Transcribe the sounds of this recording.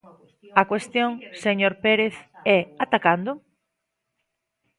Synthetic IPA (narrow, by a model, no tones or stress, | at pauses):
akwest̪joŋseɲoɾpeɾeθɛat̪akand̪ʊ